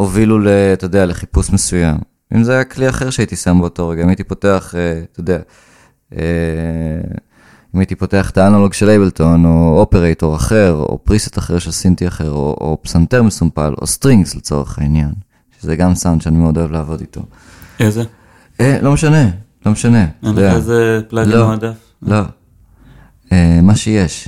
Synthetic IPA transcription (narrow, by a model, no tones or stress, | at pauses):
ovilulet̪ojdealeχipusmesujam | ʔḭmzeajakliaχe̞ʁʃeait̪isambeoto̞ʁeɡaimait̪ipo̞te̞aχet̪ojd̪ea | e | imaitipo̞te̞aχt̪aanoloɡʃelejbelto̞no̞opeʁeto̞ʁaχe̞ʁo̰pʁise̥t̪aχeʁʃelsintiaχe̞ʁo̰ʔo̰psanteʁmesumpalo̰st̪ʁiŋɡslet͡so̞ʁeχainjan | ʃezeɡamsawnd̥̪ʃeanimeo̞do̞evleaːvo̞ditʰo̞̰ | eze | elo̞meʃane̞lo̞meʃane̞d̪eaazepladliomadaf | lo̞ | emaʃeje̞ʃ